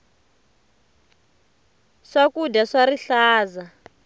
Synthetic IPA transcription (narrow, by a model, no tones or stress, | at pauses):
ʂakudaʂaɾiɬaːza